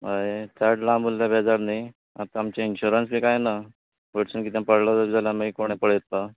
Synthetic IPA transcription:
aet̪ʰaʈlãmulːjabʱɛd͡zaɾni | a̰t̪aamt͡ɕainɕuɾənsbʱiːkajna | ʋəʈsuːnkiːt̪̬jãpəɽlat̪əbd͡zalamikoɽ̃epəɽjet̪ːa

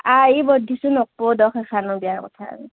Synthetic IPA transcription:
aibɔdʱːisʊnok̚podɔxɛxʰanʊbijakɔ̰tʰa̰ːmi

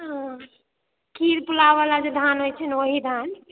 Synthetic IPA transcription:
ɦ | kʰiɾpulaʋalad͡ʒed̪ʱanɦojt͡ʃʰɛnoɦid̪ʱan

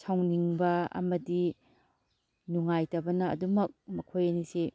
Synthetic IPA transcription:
sʰawniŋbɐɐ̰mɐdi | nuŋajtɐbɐnɐɐ̰dumɐk̚mɐkʰojɐnise

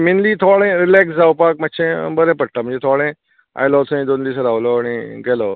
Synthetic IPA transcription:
minliːt̪ʰɔɭẽɾilɛksd͡zawpak̚maɕẽbəɾɛ̃pəɽ̚ʈ̪am̤ə̃ɳd͡ʑet̪ʰɔɭẽ | a̰jlɔt̪ʰə̃d̪ond̪is̬əɾaʋlɔaɽ̃iɡɛlə

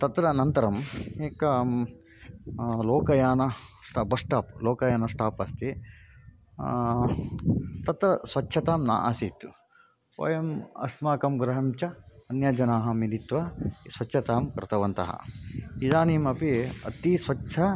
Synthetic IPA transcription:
t̪ɐt̪ɾɐnɐnt̪ɐɾɐmeːkɐ | loːkɐjaːnɐsʈaːbɐsʈaːploːkɐjaːnɐsʈaːpɐst̪i | t̪ɐt̪ɾɐsʋɐt͡ʃːʃʰɐt̪aːmna̰ːʔaːsit̪ | ʋɐ̰jɐmɐ̰smaːkɐmɡɾɐɦɐmt͡ʃɐːnjɐd͡ʒɐnaːɦɐmilit̪ʋɐsʋɐt͡ʃːt͡ʃʰɐt̪aːmkɾɪt̪ʰɐʋɐnt̪ɐ̰ɦɐ̰id̪aːniːmɐpiɐ̰t̪isʋɐʃʰɐ

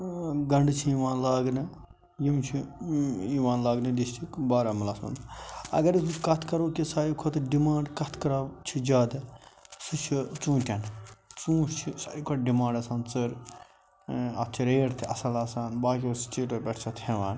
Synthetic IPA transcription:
ɡɐɳɖt͡ʃʰijiʋãːnlaːɡnɨ | jimt͡ʃʰi | iʋãːnlaːɡnɨd̪ist͡ʃʰikbaːɾamɐlaːsɐ̰nd̪ɐ̰ɡɐɾkɐt̪ʰkɐɾoːkisaːjikʰot̪ɖimãːɳɖkɐt̪ʰkɐɾat͡ʃʰid͡ʒaːd̪ɨsɨt͡ʃʰit͡sũːt̪ʲɐnt͡sũːt͡ʃʰisaːjikʰoɖimãːɳɖɐsaːnt͡sɨɾ | ɐt̪̚ʰt͡ʃʰiɾeːɽt̪ʰiɐsɐlaːsaːnbaːkʲoːst͡ʃiːʈɐpʲɛʈʰt͡ʃʰɐt̪ʰhẽʋaːn

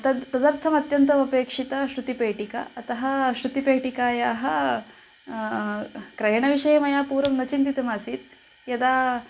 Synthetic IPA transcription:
ɐt̪ɐt̪ɐd̪ɐɾt̪ʰɐmɐt̪jɐnt̪ɐʋɐpeːkʂit̪ɐɕɾut̪ipeːʈika̰ɐt̪ɐɦɐɕɾut̪ipeːʈikaːjaːɦɐ | kɾɐjɳɐʋiʂɐjɐmɐjaːpuːɾʋɐmnɐt͡ʃint̪it̪ɐmaːsiːt̪ | jɐd̪aː

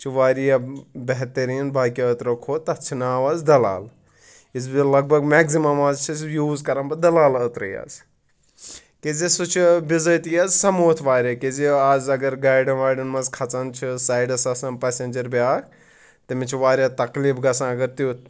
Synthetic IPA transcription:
t͡ʃʰiʋaːɾijɐbeɦt̪ɐɾiːnbaːkiət̪ɾɐkʰoːt̪ɐt͡ʃʰinaːʋazd̪ɐla̰ːl | izbilɐɡ̚bʱɐɡmɛːkzimɐmaːzt͡ʃʰisjuːzkɐɾɐmbɐd̪ɐlaːlət̪ɾɐ̰ja̰ːz | kezisut͡ʃʰibizəːt̪ijɐzsɐmoːt̪ʰʋaːɾʲɐkiziaːzɐɡɐɾɡaːjɖɐnʋaːɖɐnmɐzkʰɐt͡sɐnt͡ʃʰisaːjɖɐsɐsɐnpɛsenʲd͡ʒɐɾbaːk | t̪ɐmit͡ʃʰiʋaːɾʲjat̪ɐkliːbɡɐsãːɐɡɐɾt̪i

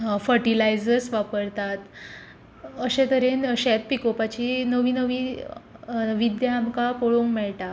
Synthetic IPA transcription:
fəɾʈilajd͡zəɾsʋapəɾt̪at̪ | əɕẽt̪əɾenəɕɛt̪̚pikopat͡ɕiːnəʋiːnəʋiː | ʋid̪jaːmkapoɭoŋkmɛɭʈa

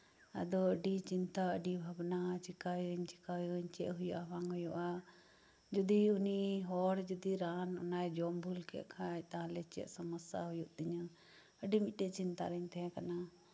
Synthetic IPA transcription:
ə̰d̪ɔəɖit͡ʃint̪aəɖibʱabnat͡ʃikajɾɛɲt͡ʃikajɔɲt͡ʃɛʔɦujuʔawaŋɦɔjɔʔa | d͡ʒɔd̪iuniɦɔɽd͡ʒud̪iɾanɔ̰najd͡ʒɔmbʱulkɛ̰ʔkʰajt̪aɦãlɛt͡ʃɛ̰ʔsaməsa̰ɦujuʔd̪iɲə | əɖimic̪̚ˀʈɛʔt͡ʃint̪a̰ɾɛɲt̪ɛɦɛ̃kana

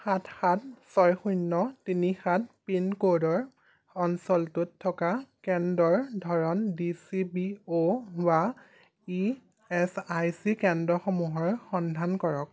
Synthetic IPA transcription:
xatʰxat̚ʰsɔjxunːɔtinixat̚ʰpinkodɔɹ | ɔnsɔltutʰːɔkakɛndɔɹdʱɔɹɔndisibioba | i | ɛsajsikɛndɹɔxɔmuɦɔɹxɔndʱankɔɹɔk̚

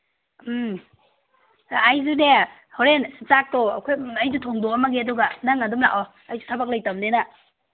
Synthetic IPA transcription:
jzune | hɔɾent͡ʃak̚tɔɐ̰kʰojɐjzutʰoŋdoɐmɐɡeɐduɡanaŋɐdumla̰ʔɔ | ajzutʰɐbɐk̚lɐjtɐmnena

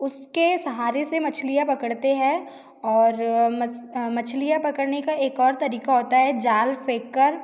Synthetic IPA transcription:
ʊskesɐɦaːɾesemɐt͡ʃʰlijapɐkəɽt̪eɦɛ̃ | ɔːɾmɐmɐt͡ʃʰlijapɐkəɽnekaʔeːkɔːɾt̪ɐɾiːkaɦoːt̪aɦɛd͡ʒaːlfeːkːəɾ

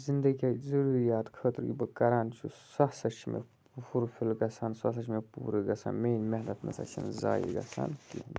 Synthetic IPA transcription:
zind̪ɐɡiazɐɾuɾijaːt̪kʰəːt̪ɨɾɡʲibɨkɐɾaːnt͡ʃʰṵsɐhsɐt͡ʃʰimḛ | pfuɾfilɡɐsɐːnsɐs̬ɐt͡ʃʰimepṵːɾiɡɐsa̰ːnmeːnmeɦnɐt̪nɐ̰sɐ̰t͡ʃʰɐ̰nza̰ːjḭɡɐ̰sa̰nkḭhn

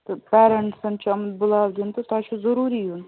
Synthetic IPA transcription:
t̪ɐpɛːɾɐɳʈsɐnt͡ʃʰɐmd̪̚bʊlaːwd̪int̪ut̪aːt͡ʃʰuzɐɾuːɾijun

